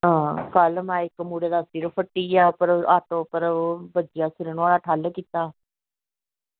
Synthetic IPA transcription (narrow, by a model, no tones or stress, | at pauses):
ɦãːkəlmɛːɪkːmuːɽeːd̪aːst̪iːɾopʰəʈːiːaːpəɾaːʈoːpəɾbəd͡ʒɪjãːsɪɾeːnũaːɽaːʈʰaːlkiːt̪aː